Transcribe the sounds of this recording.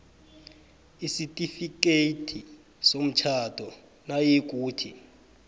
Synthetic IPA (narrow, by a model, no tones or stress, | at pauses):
isitʼifik̬ʼetʰi | som̩t͡ʃʰatʼɔ | najek̬ʼuːtʰi